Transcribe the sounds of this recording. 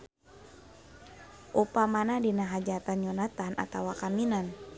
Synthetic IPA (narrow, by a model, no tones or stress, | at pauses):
ʔupamanadinaɦad͡ʒat̪anɲɔnat̪ːaɦana̰t̪awakaminan